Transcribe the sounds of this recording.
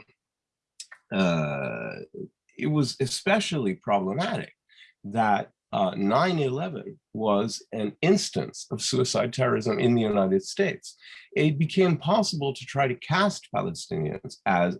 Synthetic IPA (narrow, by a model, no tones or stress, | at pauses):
ɪt̚wʌzɨspɛʃl̩ˠipʰɹ̥ɑbləmæɾɨ̰k̚ | ðət̚ | nãɪ̃nɨlɛvɨ̰̃n | wʌzɨ̃nɪ̃nstɨ̰̃nsʌv̥sʉɨsaɪd̚tʰɛɹə˞ɨzə̃mʔɪ̃nðɨjʉnaɪɾɨd̥steɪtsɪt̚b̥ɨkʰẽɪ̃mpʰɑsəbl̩ˠtʰɨtʰɹ̥aɪɾɨkʰæspʰæ̰lˠəstɪ̰̃niɨ̰̃nzɨz